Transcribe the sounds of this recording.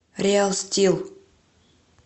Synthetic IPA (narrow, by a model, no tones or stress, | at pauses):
ɾʲɪalˠsʲtʲilˠ